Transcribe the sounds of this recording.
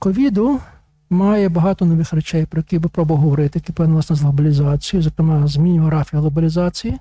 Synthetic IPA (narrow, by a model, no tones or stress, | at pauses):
kɔʋʲid̪ʊ | mɑjɛbɐɦɑt̪ɔnɔʋɪxrɛt͡ʃɛjpɾɔjɛkʲijbɪpɾɔbɐʋɦɔʋɔɾɪt̪ɪjɐkipɪnɐlˠɐsnɛzlˠɐbɐlʲizɑt͡sʲijʊzɔkɾemɑzʲmʲinʲɦɔɾɑfʲiɐlˠɔbɐlʲizɑt͡sʲiji